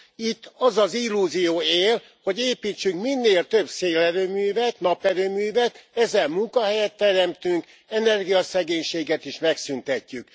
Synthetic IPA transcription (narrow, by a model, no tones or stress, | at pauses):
it̪ːɒzɒzilːuːzijoːeːl | ho̞ɟeːpiːt͡ʃːyŋkminːeːlt̪ø̞bseːlɛɾøːmyːvɛt̪nɒpɛɾøːmyːvɛt̪ɛzɛlmuŋkɒhɛjɛt̪ːɛɾɛmt̪yŋk | ɛnɛrɡijɒsɛɡeːɲʃeːɡɛt̪iʃmɛksynt̪ɛcːyk